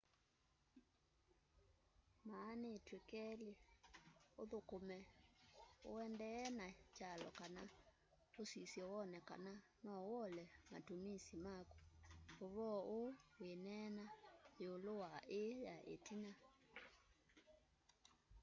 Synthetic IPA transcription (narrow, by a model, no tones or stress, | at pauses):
maːnetwekɛle | oðokomɛ | o̰ɛndɛːnat͡ʃalɔ̰kana | osisjɔwɔnɛka̰na | nɔwɔlɛma̰tomisimakuboβɔʔowenɛnaeolowaʔejaʔḛtina